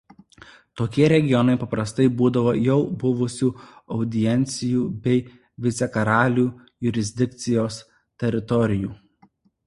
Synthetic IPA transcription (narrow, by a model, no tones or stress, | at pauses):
t̪oːkʲiɛɾʲɛɡʲɪjɔnɐɪpɐpɾɐst̪ɐɪbuːd̪ɐʋoːjɛʊbʊʋʊsʲuːɒʊd̪ʲɪjɛnʲt̪sʲɪjuːbʲɛɪ | ʋʲɪt̪sʲɛkɐɾɑːlʲuː | jʊɾʲɪzʲd̪ʲɪk̚t̪sʲɪjoːs | t̪ʲɛɾʲɪt̪ɔɾʲɪjuː